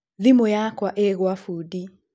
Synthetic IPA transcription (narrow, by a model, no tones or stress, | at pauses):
ðimojakwaʔɛɣwafudi